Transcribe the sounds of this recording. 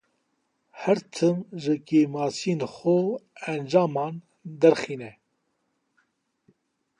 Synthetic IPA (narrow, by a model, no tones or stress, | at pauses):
hæɾt̪ʰɨmʒɨkeːmɑːsienxoænd͡ʒɑːmɑːn | d̪ɛɾxiːnɛ